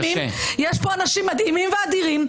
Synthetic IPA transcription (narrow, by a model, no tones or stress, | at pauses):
ḭ̃ | jɛʃpɔnɐʃimɐd̪imĩmvad̪iʁim